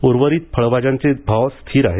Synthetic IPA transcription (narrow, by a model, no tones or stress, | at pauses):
oɾʋəɾiːt̪̚pʰəɭʋad͡ʑãnt͡sebʱaʋst̪ʰiːɾaɦe